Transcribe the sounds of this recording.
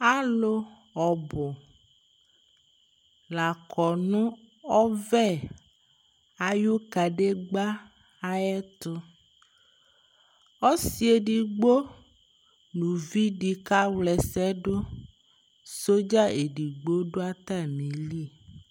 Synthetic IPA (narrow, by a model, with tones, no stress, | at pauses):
a˦lo˦ | ɔ˨bɔ˨ | la˨kɔ˨nũ˦ | ɔ˦vɛ˦˨ | a˨jo˦ka˨ɖe˦ɡ͡ba˦ | a˦ɛ˦t̪ʊ˦ | ɔ˦si˨e˨ɖi˨ɡ͡bo˦ | nũ˨vi˦ɖi˨ka˦wlɛ˨sɛ˦ɖo˦ | so˦d͡ʒa˦e˨ɖi˨ɡ͡bo˦ɖo˦a˦t̪a˦˨mĩ˨li˦